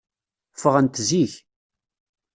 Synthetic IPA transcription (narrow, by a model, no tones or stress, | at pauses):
fəʁənt̪ziç